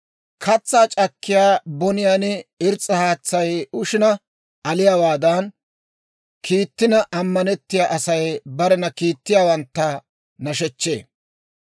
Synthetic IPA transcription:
kʰɐt͡sːaːt͡ʃʼɐkːɪjaːbɔnɪjaːnɛɪɾt͡sʼːɐhaːt͡sːɐjʊʃɪnɐ | ʔɐlɪjaːwaːd̪aːn | kʰiːt̪ːɪnɐʔɐmːɐnɛt̪ːɪjaːʔɐsɐjbɐɾɛnɐkiːt̪ːɪjaːwɐnt̪ːɐ | nɐʃɛt͡ʃːḛː

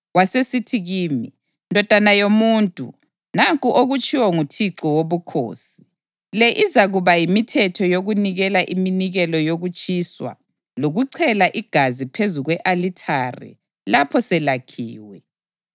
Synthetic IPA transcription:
wasesitʰiɣiːmi | ndʱɔd̥ʱanajomuntʼṵ | naŋkʼuʔoɣut͡ʃʼiwɔŋutʰiǀɔwoβukʰo̰ːsi̥ | lɛʔizaɣuβajimitʰɛtʰɔjoɣuniɣɛlaʔiminiɣɛlɔjoɣut͡ʃʼiswa̰ | loɣuǀʰɛlaʔiɡ̥ʱazipʰezuɣwɛʔalitʰarḭ | lapʰɔsɛlakʰiːwɛ

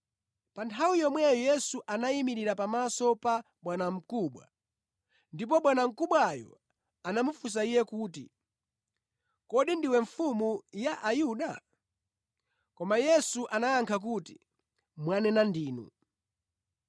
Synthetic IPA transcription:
pantʰawijɔmwɛjɔjɛsuʔanaimiɾiɾapamasɔpa | ɓwanam̩kuɓwa̰ | ndip̬ɔɓwanam̩kuɓwajɔ̰ | anamufus̬aijɛkuːtḭ | kɔɗindiwɛɱfumujaʔajuɗa | kɔmajɛsuʔanaaŋkʰak̬uti | mwanɛnandiːnṵ

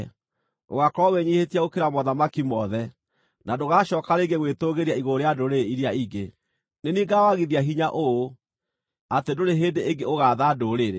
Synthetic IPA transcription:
o̰ɣakɔweɲihetiaokeɾamɔðamakimɔðɛ | nadoɣaʃɔkaɾeɡeɣwetoɣeɾjaiɣoɾeadoɾeiɾiaiɡe | neniɡawaɣiðiaɦiɲaʔoo | atedoɾeɦeːndeeŋɡeoɣaːðadoɾeɾe

